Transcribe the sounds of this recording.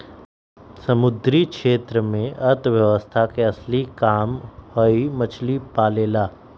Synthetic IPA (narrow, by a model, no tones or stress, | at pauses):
sɐmʊd̪ɾikʃeːt̪ɾəmẽʔɐɾt̪ʰʋjɐʋəst̪ʰakeɐslikaːmhoimɐt͡ʃʰlipaːleːlaː